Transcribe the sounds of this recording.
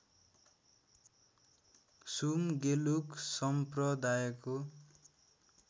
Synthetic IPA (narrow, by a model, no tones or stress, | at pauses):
sumɡeluksʌmprʌd̪ajʌko